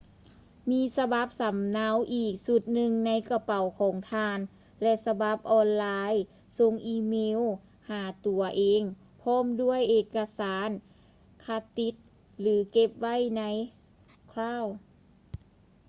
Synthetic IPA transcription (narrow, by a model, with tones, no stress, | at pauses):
miː˧˥sa˧ba˧˦p̚sa˨˦mnaː˧˥˨wʔiː˨˩k̚su˧˦t̪̚nɯ˧ŋna˧˥jka˧pa˨˩wkʰɔː˩˦ŋt̪ʰaː˧n | lɛ˧sa˧ba˧˦p̚ʔɔː˧nlaː˧j | so˧˥ŋʔiː˧meː˧˥˨w | haː˩˦t̪u˨˩ɐʔeː˧˥ŋ | pʰɔː˧˥˨mdu˥˩əjʔeː˧˩kːa˧saː˨˦n | kʰa˧˥t̪i˧˦˥t̪̚ | lɯː˨˦ke˧˥p̚wa˥˨jna˧˥j | kʰɾaː˧˥˨w